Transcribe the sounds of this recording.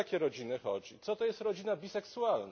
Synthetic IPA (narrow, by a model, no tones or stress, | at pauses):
akʲɛɾɔd͡ʑinɘxɔ̰d͡ʑit̪sɔt̪ɔjɛst̪ɾɔd͡ʑinabʲisɛksualna